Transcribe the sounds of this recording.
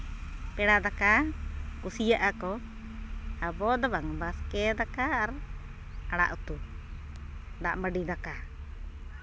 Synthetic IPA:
pɛɽad̪akakusijaʔakɔ | abɔd̪abaŋbaskɛd̪akaːɾ | aɽa̰ʔut̪u | ɖa̰ʔməɖid̪aka

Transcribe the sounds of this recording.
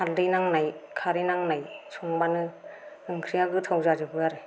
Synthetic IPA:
hʰaldɯjnaŋnajkʰaɾenaŋnajsʰɔŋbanɯ | ɯŋkʰɾijaɡɯtʰawzazɯbɯaɾɯ

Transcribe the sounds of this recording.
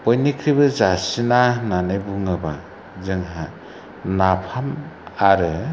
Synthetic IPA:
pɔjnikʰɾibɯzasinananɯjbuŋɯba | zɯŋɦa | napʰamaɾɯ

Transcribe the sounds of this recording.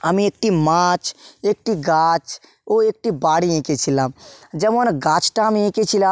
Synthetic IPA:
əmĩeːk̚ʈimaːt͡ʃek̚ʈiɡaːt͡ʃ | oːeːk̚ʈibaːɽiẽːket͡ʃʰilad͡ʒəbonɡaːt͡ʃʈamẽːket͡ʃʰila

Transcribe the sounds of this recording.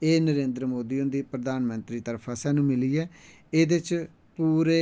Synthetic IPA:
eːnəɾẽːnd̪ɾəmoːd̪iːʊnd̪iːpɾəd̪aːnmə̃nt̪ɾiːt̪əɾpʰaːsɛːnũːmɪliːɛː | eːd̪ɪt͡ʃ | puːɾeː

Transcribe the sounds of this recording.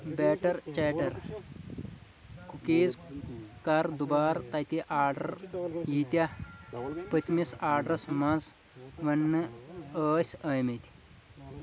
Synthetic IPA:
beːʈɐɾt͡ɕeʈɐɾ | kʰukeːd͡zkaɾd̪ubaːɾt̪ɐt̪iʔaːɾɖɐ̰ɾjit̪ʲa | pət̪misaːɖɾɐsmɐd͡z | ʋɐnːɨəːsʲɐjmet̪i̥

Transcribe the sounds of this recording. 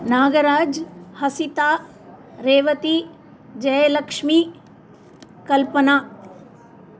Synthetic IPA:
naːɡɐɾaːd͡ʒhɐsit̪aː | ɾeːʋɐt̪i | d͡ʒɐjlɐkʂmi | kɐlpɐnaː

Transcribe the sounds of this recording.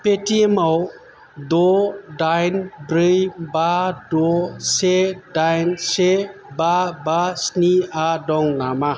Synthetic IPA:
petimaw | dɔdajnbɾɯjbadosedajnsebabasniadɔŋnama

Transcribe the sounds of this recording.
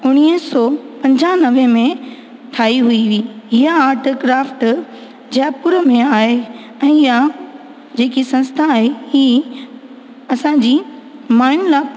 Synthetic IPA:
ʊɽ̃iəsɔpɐ̃ɲd͡ʑanɐʋẽmẽ | t̪ʰaːiɦuiʋiːɪɦaːɾʈkɾaːfʈ | d͡ʑɛːpʊɾəmẽaːɦe | ɛ̃ːɪja | d͡ʑeːkisɐ̃nst̪ʰaːɦehiː | ɐsãd͡ʑiːmaːɪñlaː

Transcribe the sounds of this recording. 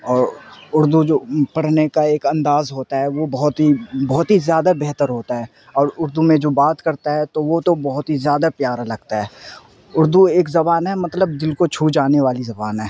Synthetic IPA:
ɔːɾʊɾd̪ud͡ʒoːpɐɽ̤nekaeːkɐ̃nd̪aːzɦoːt̪aɦɛʋobɐɦʊt̪ɦibɔɦʊt̪ɦizjaːd̪abɛɦt̪əɾɦoːt̪aɦɛː | ɔːɾʊɾd̪umẽd͡ʒoːbaːt̪kɐɾt̪aɦɛt̪oʋot̪obɐɦʊt̪ɦizjaːd̪apjaːɾalɐɡt̪aɦɛː | ʊɾd̪ueːkzɐbaːnɦɛmɐt̪ləb̚d̪ɪlkot͡ʃʰuːd͡ʒaːneʋaːlizɐbaːnɦɛː

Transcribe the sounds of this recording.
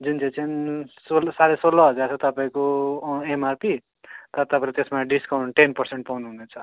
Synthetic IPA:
d͡zunt͡set͡sansolsaɾesolːʌɦʌd͡zaɾt͡sʰʌt̪ʌpaĩkoemarpi | t̪ʌt̪ʌpaĩlet̪esmaɖiskaw̃ɳʈenpʌrseɳʈ̚pawnuɦunet͡sʰʌ

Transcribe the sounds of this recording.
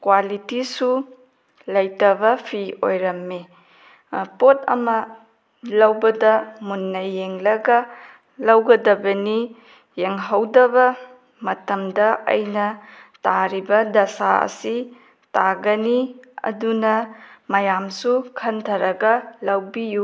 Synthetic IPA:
kwalitisu | lɐjtɐβɐpʰio̰jɾɐmːe | potʰɐ̰mɐ | lɐwbɐdɐmunːɐjːeŋlɐɡɐ | lɐwɡɐdɐbɐni | jeŋɦɐwdɐbɐ | mɐtɐmdɐɐ̰jnɐtaɾibɐdɐsaɐ̰si | taɡɐniɐ̰dunɐmɐjamsukʰɐntʰɐɾɐɡɐlɐwbiju

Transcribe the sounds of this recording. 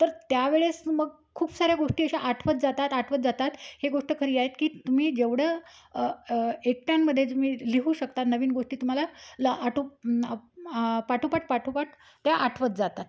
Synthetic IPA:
t̪əɾt̪jaʋeɭesməɡ | kʰuːpsaɾjaɡoʂʈiːəɕaʔaʈʰʋət̪̚d͡zat̪at̪aʈʰʋət̪d͡zat̪at̪heɡoʂʈəkʰəɾiːaɦet̪kiːt̪um̤iːd͡ʑeʋɽə | ek̚ʈ̪jamːəd̪ʱːjet̪umiːliɦuːɕək̚t̪at̪nəʋiːnɡoʂʈiːt̪um̤alalʔaʈʰu | paʈʰupaʈ̚ʰpaʈʰupaʈ̚ | t̪jaʔaʈʰʋət̪̚d͡zat̪at̪

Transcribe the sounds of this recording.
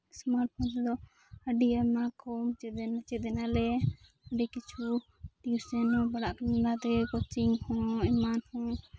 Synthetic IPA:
smaɾʈ̚pʰɔnt̪d̪ɔ | əɖiamakʰɔmt͡ʃɛd̪ɛnat͡ʃɛd̪ɛnalɛ | əɖɛkit͡ʃʰu | t̪isɛnɔ̃baɽaʔkanilat̪ɛkɔt͡ʃiŋhɔ̃ɛmanhɔ̃

